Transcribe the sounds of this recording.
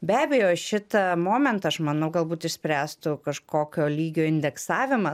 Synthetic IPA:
bʲæːbʲɛjoːʃʲɪt̪ɐmoːmʲɛnt̪ɐɐʃmɐnɐʊɡɐlˠbuːt̪ɪʃʲsʲpʲɾʲæːst̪ʊkɐʃkoːkʲoːlʲiːɡʲoːɪnʲd̪ʲɛksɑːʋʲɪmɐ

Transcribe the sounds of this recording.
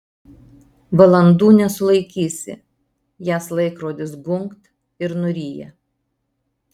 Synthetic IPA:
ʋɐlˠɐnd̪uːnʲɛsʊlˠɐɪkʲiːsʲɪ̰ | jæːslˠɐɪkɾoːd̪ʲɪsɡʊŋkt̪ | ɪɾnʊɾʲiːjɛ̰

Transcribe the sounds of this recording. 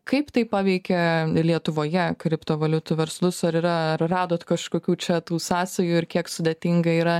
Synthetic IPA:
kɐɪpt̪ɐɪpɑːʋʲɛɪkʲɛlʲiɛt̪ʊʋoːjɛkɾʲɪpt̪oːʋɐlʲʊt̪ʊʋʲɛɾslˠʊsɐɾɪɾɐɐrrɑːd̪oːt̪kɐʃkoːkʲuːt͡ʃʲɛt̪uːsɑːsɐjuːɪɾkʲiɛksʊd̪ʲeɛt̪ʲɪŋɡɐiːɾɐ

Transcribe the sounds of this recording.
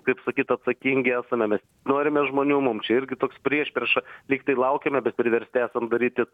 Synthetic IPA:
kɐɪpsɐkʲiːt̪ɐt̪sɐkʲiːŋʲɡʲɪæːsɐmʲɛmʲɛsʲ | noːɾʲɪmʲɛʒmoːnʲuːmʊmt͡ʃʲɛɪɾʲɡʲɪt̪oːkspʲɾʲiɛʃpʲiɛʃɐlʲiːkt̪ɐɪlˠɐʊkʲɛmʲɛbʲɛt̪̚pʲɾʲɪʋʲɛɾʲsʲt̪ʲɪæːsɐmd̪ɐɾʲiːt̪ʲɪ

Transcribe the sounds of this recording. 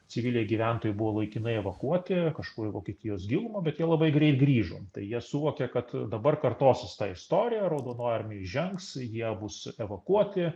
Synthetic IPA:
t͡sʲɪʋʲilʲeɛːɡʲiʋʲæˑnt̪oːjɪbʊʋoːlˠɐɪkʲɪnɐɪɛʋɐkuɔt̪ʲɪkɐʃkuːɾʲɪʋoːkʲɛt̪ʲɪjoːsɡʲɪlˠmoːbʲɛt̪jiɛlˠɐbɐɪɡɾʲɛɪt̪ɡrʲiːʒoːt̪ɐɪjiɛsuʋoːkʲɛkɐt̪d̪ɐbɐrkɐrt̪oːsʲɪst̪ɑːɪst̪oːɾʲɪjæɾoːd̪oːnoːɐrʲmʲɪjʒʲɛŋksjiɛbʊsɛʋɐkuɔt̪ʲɪ

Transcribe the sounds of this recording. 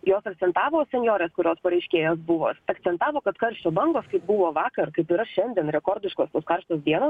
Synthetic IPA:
joːsɐk̚t̪sʲɛnt̪ɑːʋoːsʲɛnʲjoːɾʲɛːskʊɾʲoːspɐɾɐɪʃʲkʲeːjoːsbʊʋo̰ːsɐkt̪sʲɛnt̪ɑːʋoːkɐt̪kɐɾʲʃʲt͡ʃʲoːbɐŋɡoːskɐɪp̚bʊʋoːʋɑːkɐɾkɐɪpiɾɐʃʲɛnʲd̪ʲiɛnɾʲɛkɔːɾʲd̪ʲɪʃkoːst̪oːskɐɾʃt̪oːsd̪ʲiɛnoːs

